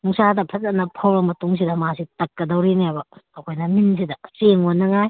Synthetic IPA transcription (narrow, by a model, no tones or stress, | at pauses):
nuŋsadɐpʰɐt̚ːɐnɐpʰɐwɾɐmɐtuŋs̬idɐmasitɐkːɐdɐwɾiniabɐːkʰojnɐmins̬idɐseŋonːɐŋaj